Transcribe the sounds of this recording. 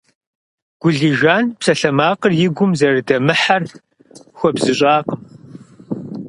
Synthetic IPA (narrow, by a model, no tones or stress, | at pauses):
ɡ̥ʷʊɮiːʒaːnpsɐɬɐmaːqərjɪɡʷʊmzɐrɨdɐmɨħar | xʷɔbzɨɕʼaːqəm